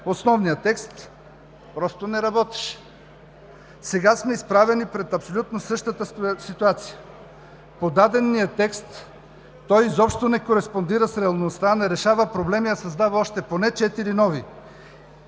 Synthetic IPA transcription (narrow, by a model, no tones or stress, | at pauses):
osnɔvnijət̪ɛkst̪ | pɾɔst̪onɛɾɐbɔt̪ɛ̥ʃ | sɛɡasmɛispɾavɛnipɾɛt̪ɐpsolʲut̪nosɤʃt̪ət̪əsit̪uat̪sijə | pod̪ad̪ɛnːijət̪ɛkst̪ː | ɔjzɔpʃt̪onɛkoɾɛspond̪iɾəsɾɛɐlˠnost̪anɛɾɛʃavəpɾoblɛmiɐsɐzd̪avɐɔʃt̪ɛponɛt͡ʃɛt̪iɾinɔvi